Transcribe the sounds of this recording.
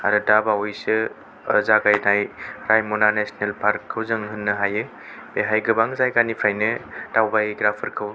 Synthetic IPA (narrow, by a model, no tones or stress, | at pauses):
aɾɯdabaɔjsɯ | zaɡajnajɾajmɔnanesnelpʰaɾkʰːɯwzɯŋɦɯnːɯɦajɯ | b̥eɦajɡɯbaŋzajɡanipʰajnɯtawbajɡɾapʰɯɾkʰɯw